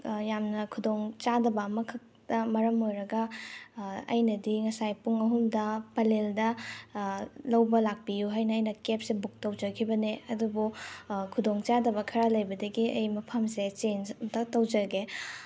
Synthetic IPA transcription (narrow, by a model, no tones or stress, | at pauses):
jamnɐkʰudoŋt͡ʃadɐbɐːmɐkʰɐk̚tɐmɐɾɐmojɾɐɡɐ | ɐ̰jnɐdiŋɐsajpuŋɐɦumdɐpɐleldɐ | lɐwbɐlak̚pijuɦajnɐːjnɐkep̚sebuk̚tɐwd͡ʒɐkʰibɐneɐdubukʰudoŋt͡ʃadɐbɐkʰɐɾalɐjbɐdɐɡiɐjmɐpʰɐmset͡ʃenstɐtɐwd͡ʒɐɡe